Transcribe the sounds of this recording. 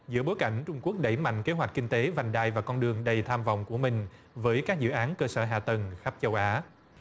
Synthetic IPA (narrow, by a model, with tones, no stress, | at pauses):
zɨ̰˧˥əɓo˨˦jka˧˩jŋ̟t͡ɕʊ˧ŋ͡mku˦˥ək̚ɗə˧˩jma̰˧˨jŋke˨˦ɦwa˨˩jt̟̚kï˧ŋ̟t̪e˨˦va˨˩jŋ̟ɗaː˧˨jvaː˨˩kɔ˧nɗɨ˨˩əŋɗə˨˩jt̪ʰaː˧mvɔ̰˧˨wŋ͡mku˧˩əmï˨˩ŋ̟ | vəː˨˦jkaː˦˥k̚zɨ̰˧˨ʔaː˨˦nkəː˧səː˧˩ɦa̰ː˧˨t̪ə˨˩ŋxa˦˥p̚t͡ɕə˧wʔaː˨˦